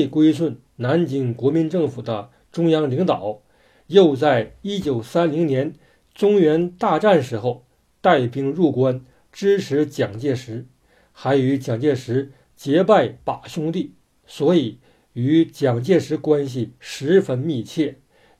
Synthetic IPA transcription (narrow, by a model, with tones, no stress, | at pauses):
i˥˩kwe˥ɪʂwə˥˩n | na˧˥nt͡ɕi˧˥ŋkwɔ˧˥mi˧˥nʈ͡ʂɤ˥˩ŋfu˨˩d̪ə̰˦ | ʈ͡ʂʊ˥ŋjɑ˥ŋli˧˥ŋt̪ɑ˨˩˦ʊ | jo˥˧ʊt͡sa˥˩ɪi˥t͡ɕjo˨˩ʊsa˥nli˧˥ŋnjɛ˧˥n | t͡sʊ˥ŋɥɛ˧˥nt̪a˥˧ʈ͡ʂa˥˩nʂɻ̩˧˥xo˥˧ʊ | t̪a˥˩ɪpʰi˧˥ŋɻu˥˩kwa˥n | ʈ͡ʂɻ̩˥ʈ͡ʂʰɻ̩˧˥t͡ɕjɑ˨˩ŋt͡ɕjɛ˥˩ʂɻ̩˧˥ | xa˧˥ɪy˧˥t͡ɕjɑ˨˩ŋt͡ɕjɛ˥˩ʂɻ̩˧˥ | t͡ɕjɛ˧˥pa˥˩ɪpa˨˩ɕjʊ˥ŋt̪i˥˩ | swɔ˧˥i˨˩˦ | y˧˥t͡ɕjɑ˨˩ŋt͡ɕjɛ˥˩ʂɻ̩˧˥kwa˥nɕ̬i˨ʂɻ̩˧˥fə˥nmi˥˧t͡ɕʰjɛ˥˩